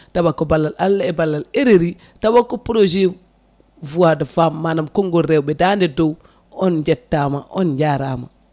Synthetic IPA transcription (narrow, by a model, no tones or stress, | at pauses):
tabakːobalːalalːaɛbalːaleɾeɾi | tabakːopɾod͡ʒe | vuwadafamːanamkoŋɡoɾewbɛdandidow | ɔnd͡ʒetːamaʔond͡ʒaɾama̰